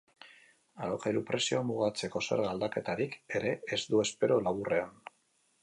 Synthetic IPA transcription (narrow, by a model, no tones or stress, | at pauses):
aɾokejɾupɾe̞sio̞amuɣ̞at͡se̞ko̞se̞̰ɾɣald̪ake̞t̪aɾike̞ɾe̞ːzd̪ue̞spe̞ɾolaβure̞an